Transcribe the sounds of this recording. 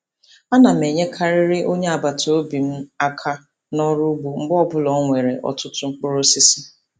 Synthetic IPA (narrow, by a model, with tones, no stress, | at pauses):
a˦na˨m̩˨e˨ɲe˦kʰa˦ɾɪ˦ɾɪ˦ʔo˦ɲe˦a˨ba˨to˨˦bi˨m̩˦a˦kʰa˦ | nɔ˦ɾʊ˦bu˨ŋ͡m̩˦ɡ͡bɔ˦bʊ˦lɔ˦ŋʷe˨ɾe˨ʔɔ̰˨tʊ˦tʊ˦ŋ͡m̩˦k͡pʊ˦ɾʊ˦si˦si˦